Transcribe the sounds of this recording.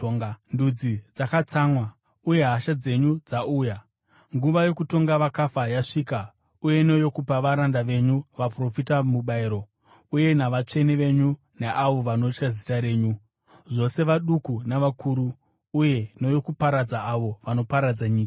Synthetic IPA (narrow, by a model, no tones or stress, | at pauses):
ŋndud͡zid͡zakat͡samwa | uje̞ɦaʃad͡ze̞ɲud͡zaʔuːja | ŋɡuʋajo̞kuto̞ŋɡaʋakafajaʂiːka | uje̞no̞jo̞kupaʋaɾandaʋe̞ɲuʋapro̞fitamuɓaiɾo̞ | uje̞naʋat͡ʂe̞niʋe̞ɲu | neʔaʋo̞ʋano̞t͡ʃkazitaɾe̞ːɲu | ʐo̞se̞ʋaɗukunaʋakʰuɾuː | je̞no̞jo̞kupaɾad͡zaːʋo̞ʋano̞paɾad͡zaɲiːkḁ